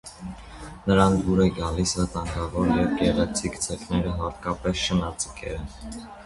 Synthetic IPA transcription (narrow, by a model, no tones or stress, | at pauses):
nəɾɑnʰbuɾɛɡɑlisvət̪ɑŋɡɑvɔɾjɛvɡɛʁɛt͡sʰikt͡sʰɛknɛɾəɦɑt̪̚kɑpɛsʃənɑt͡sə̥kʰɛ̰ɾɛn